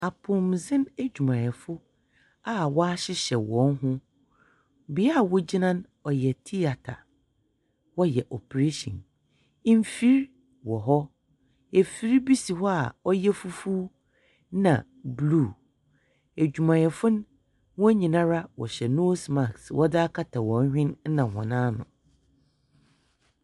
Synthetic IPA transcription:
a˨pʰʊ̃˨mzɪ̃˦næ˦d͡ʑᶣu˨mã˨ɛ˨fʊ˦ | a˦wɔ˦a˦ɕɪ˦ɕɛ˨wɔ̃˨n˦ɦʊ̃˦ | bi˨˦a˦˨wɔ˦d͡ʑi˦nã˦n | ɔ˨jɛ˨tʰi˦a˨tʰa̰˨ | wɔ˦jɛ˨ʔɔ˨pʰɾe˦ʃɔ̰̃˨n˦ | m˦fi˦ɾ | wɔ˨ɦɔ˦ | e˨fi˦ɾi˦bi˦si˨hɔ˦a̰˨ɔ˦jɛ˦fu˦fuː˦ | nã̰˨ | bluː˦˨ | e˨d͡ʑᶣu˨mã˨jɛ˨fʊ̃˦n˦ | wɔ̃˦ɲĩ˨nã˦ɾa˦wɔ̰˨ɕɛ˨no˦sma˨kswʔɔ˦dɪ˦a˦kʰa˦tʰa˨wɔ̃˨ɲ˦hᶣɪ̃˦n̩˦nã˨hɔ̰̃˨nãː˦nʊ̰̃˨

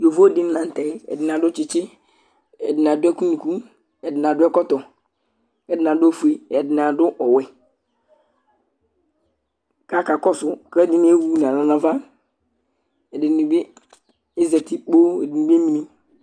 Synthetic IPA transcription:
jo˨vo˦dɪ˦n˦nã˨n˨tɛ˨ɛ̰˨dɪ˨n˨a˨dʊ˦t͡ʃɪ˨t͡ʃɪ˦ | ɛ̰˨dɪ˨n˨a˨dʊ˦ɛ˦ku˦ni˨ku˦ | ɛ˨dɪ˨n˨a˨dʊ˦ɛ˦kɔ˦tɔ˨ | ɛ˨dɪ˨na˨dʊ˦e˦fu˨e˨ɛ˨dɪ˨n˨a˨dʊ˦ʔɔ˨wɛ˨ | ka˦ka˨kɔ˦sʊ˨kɛ˦dɪ˦n˦e˦wu˦n˨a˨na˨na˨va˦ | ɛ˨dɪ˨i˨bi˦ | e˦zɛ˨tɪ˦k͡po˦e˨dɪ˨ni˨bi˦e˦mi˨ni˦

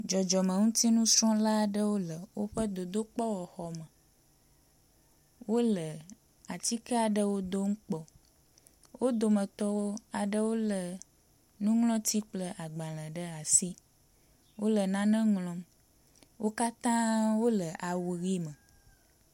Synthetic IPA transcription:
d͡ʒɔ˨d͡ʒɔ˨mə̃˨ŋũ˦t̪i˦nũ˦sɾɔ̃˦la˦ɖə˦wo˦lə˨wo˦ɸə˦d̪o˨d̪o˦k͡pɔ˦wɔ˨xɔ˨mə˨ | wo˦lə˨ | a˨t̪i˦kə˦a˨ɖə˦wo˦d̪o˦ŋ̩˦k͡pɔ˨ | wo˦d̪o˨mə̃˨t̪ɔ˦wo˦a˨ɖə˦wo˦lə˨ | nũ˦ŋlɔ̃˦t̪i˦k͡plə˦ʔa˨ɡ͡ba˨l̃ə̃˨ɖə˦a˨si˦ | wo˦lə˨nã˦nɛ̃˦ŋlɔ̃˦m | wo˦ka˦t̪ã˦wo˦lə˨ʔa˨wu˨ɣi˦mə̃˨

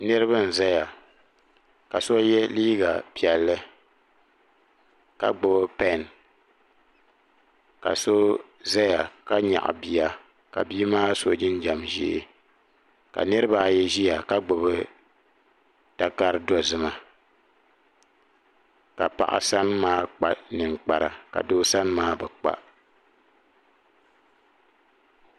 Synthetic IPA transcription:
nɨ˦ɾɨ˦βɨ˦n̩˨za˦ja˨ | ka˨so˦jɛ˦liː˦ɡa˨pi˨ɛ˨lːɨ˦ | ka̰˨ɡ͡bo˨bpɛ˦˨n | ka̰˨so˦ | za˦ja˨ka˦ɲa̰˨ʔbi˨ja˨ | ka̰˨bi˦maː˦so˦d͡ʒɪ˦n˦d͡ʒa˨mʒḭ˦ʔɪ̰˨ | ka̰˨nɨ˦ɾɨ˦baː˦jɛ˦ʒi˦ja˨ka˦ɡ͡bʊ˨βɨ˦ | ta˨ka˦ɾɨ˦dɔ˨zɨ˨ma˨ | ka̰˨pa̰˨ʔa̰˨sa˦n˦maː˦k͡pa̰˨nɨ˨ŋk͡pa˨ɾa̰˨ka̰˨doː˦sa˦n˦maː˦bɛ˨k͡pa̰˦

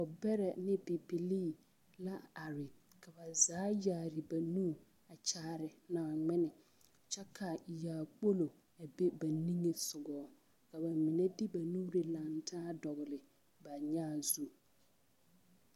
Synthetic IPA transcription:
ɔ˨bɛ˦ɾɛ˨nɪ̃˦pi˨pi˨liː˦ | la˦a˨ɾɪ˨ | kʰa˨ba˨zaː˨˦jaː˨ɾɪ˨ba˨nũː˦˨ | a˨t͡ʃaː˦˨ɾɪ˨nãː˨ŋ͡mɪ˦nɪ˨ | t͡ʃa˦kʰa˨jaː˨k͡po˦lo˨ | a˨be˦ba˨nĩ˦ŋe˨sʊ˨ɡɔː˨˦ | ka˨ba˨mɪ̃˨nɛ˦di˦ba˨nũ˦ɾɪ˨lã˨ntʰaː˦dɔ˨ɣɪ˨lɪ˨ | ba˨ɲãː˦˨zu˦

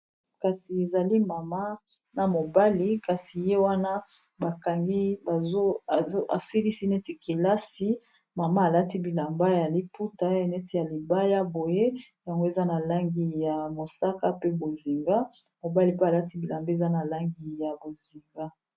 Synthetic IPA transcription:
ka˨si˨e˨za˨li˦ma˨ma˦ | na˨mo˨ba˦li˨ka˨si˨je˦wa˦na˦ | ba˨ka˨ŋɡi˦bo˦˨˦a˨si˦li˦si˦ne˦ti˨ke˨la˦si˦ | ma˨ma˦a˨la˦ti˦bi˨la˨mba˦ja˨li˨pu˦ta˦e˨ne˦ti˨ja˨li˨ba˦ja˦bo˨je˦ | ja˨ŋɡo˦e˨za˦na˨la˦ŋɡi˨ja˨mo˨sa˦ka˦pe˦bo˨zi˨ŋɡa˦ | mo˨ba˦li˨pe˦a˨la˦ti˦bi˨la˨mbe˨za˦na˨la˦ŋɡi˨ja˨bo˨zi˨ŋɡa˦

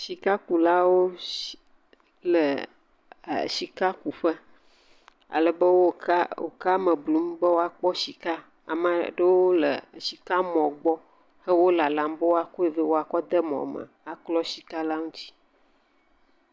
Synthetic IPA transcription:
si˨ka˦ku˨la˦wo˦ | lə˨ | si˨ka˦ku˨ɸə˦ | a̰˨lə˨bə˦wo˦o̰˨ka˦mə˨blu˨˦m˦bə˦wo˦a˨k͡pɔ˦si˨ka˦ | a̰˨mə˨ɖə˦wo˦lə̰˨si˨ka˦mɔ̃˨ɡ͡bɔ˦ | hə˦wo˦la˨la˨m˦bə˦wo˦a˨ko˦e˨və˦wo˦a˨kɔ˦d̪ə˦mɔ̰̃˨mə̰˨a˨klɔ˦si̥˨ka˦la˦ŋũ˦t͡ɕi̥˦

